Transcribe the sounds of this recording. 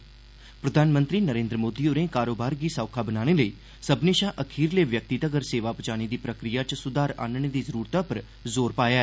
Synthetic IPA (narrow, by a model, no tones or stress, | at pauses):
pɾəd̪ʱaːnmə̃nt̪ɾiːnəɾẽːnd̪ɾəmoːd̪iːoːɾẽːkaːɾoːbaːɾɡiːsaːʊkʰaːbənaːɽ̃eːləiː | səbneːʃaːʔəkʰiːɾleːʋjək̚t̪iːt̪əɡəɾseːʋaːpət͡ʃaːɽ̃iːd̪iːpɾəkɾijaːt͡ʃsʊd̪aːɾa̰ːnɳ̃eːd̪iːzəɾuːɾt̪ãːpəɾ | zoːɾpaːjaɛ